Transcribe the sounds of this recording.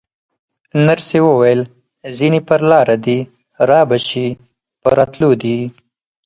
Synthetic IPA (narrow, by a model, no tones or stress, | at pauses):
naɾsewəwajəl | zinipəɾlɑɾad̪i | ɾɑbaʃi | pəɾɑt̪lod̪i